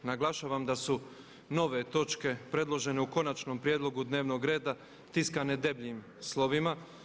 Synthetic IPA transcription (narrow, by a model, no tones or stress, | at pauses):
naɡlˠaʃaːʋamd̪asu | no̞ʋe̞t̪o̞t͡ʃke̞pɾe̞d̪lˠo̞ʒe̞ne̞uko̞nat͡ʃno̞mpɾjeːd̪lˠo̞ɡud̪ne̞ːʋno̞ɡɾe̞ːd̪a | t̪iskane̞d̪e̞bʎim | slˠo̞ʋima